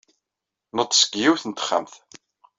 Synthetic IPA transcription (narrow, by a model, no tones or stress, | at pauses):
nət̪ˤːsə̥kːjiwθənt̪ə̥χːa̰mθ